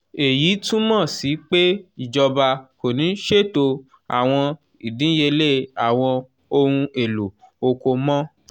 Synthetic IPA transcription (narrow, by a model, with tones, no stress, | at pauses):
e˨jiː˨˦tũ˦mɔ̃˦˨si˨˦k͡pe˦i˨d͡ʒɔ˧ba˧ko˨nĩ˨˦n̩˦ʃe˦˨to˧ | a̰˨w̃ɔ̃˧ | i˨dĩ˨˦je˧le˦˨a˨w̃ɔ̃˧ | o˧hũ˧e˨lu˨o˧ko˧mɔ̃˦